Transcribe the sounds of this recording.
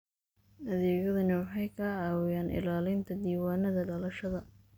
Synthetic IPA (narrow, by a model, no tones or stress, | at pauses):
ʔɐðɛːɣɐðɐnɪwɑħɑjkʰɐʕɑːwɪjaːnʔɪ̰laːlɪnt̪ʰɐd̪iːwaːnɐðɐɖɐlɐʃɐðɐ